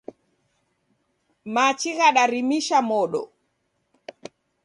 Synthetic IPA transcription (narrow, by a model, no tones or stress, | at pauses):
mat͡ʃiɣaɗaɾimiʃamɔɗɔ̰